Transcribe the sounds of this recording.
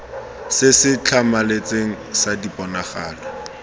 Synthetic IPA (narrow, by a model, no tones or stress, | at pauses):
sɪsɪt͡ɬʰamalet͡sʼeŋ̩sadipʼɔnaχaːlɔ